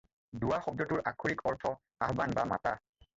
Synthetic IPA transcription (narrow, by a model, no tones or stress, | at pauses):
duwaxɔb̚dɔtʊɹʔakʰuɹikɔɹtʰɔ | aɦbanbama̰ta̰